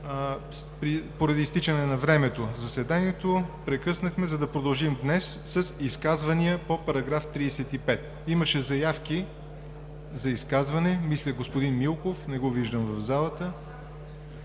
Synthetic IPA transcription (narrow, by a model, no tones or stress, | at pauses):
pɾipoɾɐd̪iːst̪it͡ʃənɛnɐvɾɛmɛt̪ozɐsɛd̪aniɛt̪opɾɛkɤsnəxmɛzɐd̪ɐpɾod̪ɐlˠʒimd̪nɛsːɐsiskazvɐniəpopɐɾɐɡɾaft̪ɾisɛt̪ipɛt̪̚ | iməʃɛzɐjafki | zɐiskazvɐnɛmislʲəɡospod̪inmilˠkofnɛɡoviʒd̪əmvɐvzalˠət̪ə